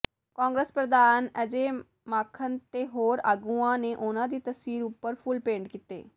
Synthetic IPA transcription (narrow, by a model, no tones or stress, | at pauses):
kãːŋɡɾəspɾəd̪aːnəd͡ʒeː | maːkʰənt̪eːɦoːɾaːɡuːãːneːʔʊnãːd̪iːt̪əswiːɾʊpːəɾpʰʊlpẽːɳɖkiːt̪ḛː